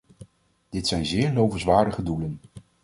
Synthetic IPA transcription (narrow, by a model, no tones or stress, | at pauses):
d̥ɪtsɛjnzɪːɹlowvəsʋaːɹdəχədulən